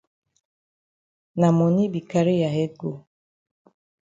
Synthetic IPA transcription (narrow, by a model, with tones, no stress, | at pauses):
na˨mɔ˨ni˦bi˨ka˨˦ɾi˦ja˨ɦɛ˦ɡo˨